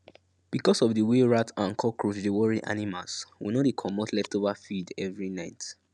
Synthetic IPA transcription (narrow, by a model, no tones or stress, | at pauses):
b̥ikɔsɔfdiweɹatãnkʰɔkʰɹut͡ʃdewɔɹiʔa̰nimalswḭnodekʰɔmɔtʰlɛftovafidɛvɹinaɪt